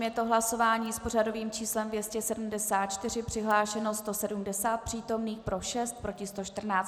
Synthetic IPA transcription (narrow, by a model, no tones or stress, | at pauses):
mjɛt̪o̞ɦlaso̞vaːɲiːspo̞r̝ado̞viːmt͡ʃiːslɛmvjɛscɛsɛdum̩dɛsaːt̪̚t͡ʃt̪ɪrɪpr̥ɪɦlaːʃɛnost̪o̞sɛdumdɛsaːt̪̚pr̥iːt̪o̞mniːxpɾo̞ʃɛst̪̚pɾo̞cɪst̪o̞ʃt̪r̩naːt͡s